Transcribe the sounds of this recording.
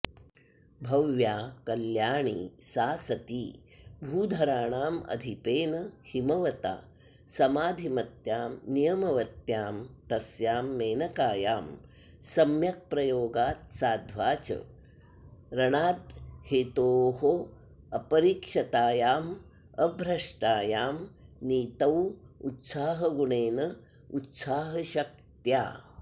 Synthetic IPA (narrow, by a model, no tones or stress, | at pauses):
bʱɐʋjaːkɐljaːɳḭsaːsɐt̪iːbʱuːd̪ʱɐɾaːɳaːmɐ̰d̪ʱipeːnɐhimɐʋɐt̪a̰ː | sɐmaːd̪ʱimɐt̪jaːmnijɐmɐʋɐt̪jaːmt̪ɐsjaːmːeːnɐkaːjaːm | sɐmjɐk̚pɾɐjoːɡaːt̪̚saːd̪ʱʋaːt͡ʃɐ̰ | ɾɐɳaːt̪heːt̪oːɦo | ɐpɐɾiːkʂɐt̪aːjaːm | ɐbʱɾɐʂʈaːjaːmniːt̪ɐwut̪saːɦɐɡuɳeːnɐ | ut̪saːɦɐʃɐk̚t̪ja̰ː